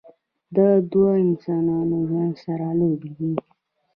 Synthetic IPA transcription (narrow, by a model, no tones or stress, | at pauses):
d̪ad̪waɪnsɑnɑnoʒwand̪saɾalobeɡ̪i